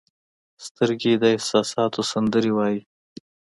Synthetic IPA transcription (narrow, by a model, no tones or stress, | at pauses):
st̪əɾɡed̪əɪhsɑsɑt̪ʰosand̪əɾewɑji